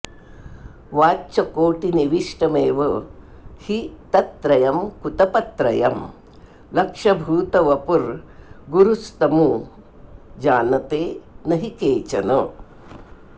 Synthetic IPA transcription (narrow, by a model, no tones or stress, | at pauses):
ʋaːt͡ʃɐkoːʈiniʋiʂʈɐmeːʋɐ | hit̪ɐt̪ɾɐjɐmkut̪ɐpɐt̪ɾɐjɐm | lɐkʂɐbʱuːt̪ɐʋɐpuɾɡuɾust̪ɐmu | d͡ʒaːnɐt̪eːnɐɦikeːt͡ʃɐnɐ